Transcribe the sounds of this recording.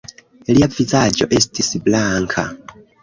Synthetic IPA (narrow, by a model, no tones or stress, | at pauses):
liapfizad͡ʒoʔestʰisiblaŋkʰa̰